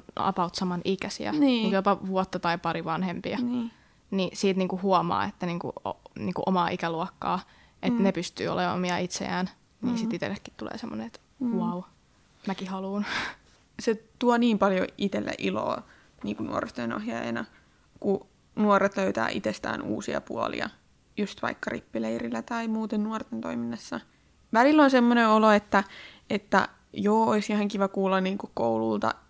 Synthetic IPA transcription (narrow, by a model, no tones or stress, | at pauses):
ɑ̰pɑut̪sɑmɑnikæsḭæ̰nːujopɑʋuɔt̪ːɑt̪ɑipɑriʋɑnhempiɑn | nisiːt̪niːŋkuhuomɑ̰ːet̪ːæniːŋkṵo̰nḭːŋkuʔomɑːʔikæluokːɑ̰ː | ʔet̪nepyst̪y̰ːo̰leːo̰miɑit̪sḛæːn | niːsiit̪ḛlːekːi̥t̪t̪ulḛːsemːo̰neet̪ | wɑu | mækihɑluːn | set̪uɑniːmpɑljoʔit̪elːḛʔilo̰ː | niːŋkunṵo̰rest̪oinɑ̰hjɑ̰ḛnɑ | ku | nuoret̪løyt̪æ̰ːʔit̪est̪æ̰ːnṵːsiɑ̰pṵɑ̰lḭɑ̰ | just̪ʋɑ̰ikːɑripːileirilːæt̪ɑimuːt̪ennuort̪ent̪o̰iminːɑsːɑ | ʋælilːonsemːoneoloet̪ːæʔet̪ːæ̰ | joːoisjihæŋkiʋɑkuːlːɑnniːŋkukko̰ulult̪ɑ̰